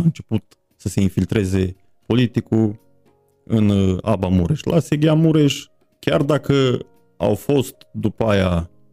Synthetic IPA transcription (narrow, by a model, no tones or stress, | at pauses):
aɨnt͡ʃe̞put̪ | səse̞infilt̪ɾe̞ze̞ | po̞lit̪ikul | ɨna̰bamuɾeʃlʔa̰seɡʲeamuɾeʃ | kʲard̪akə | a̰wfo̞st̪d̪upəaja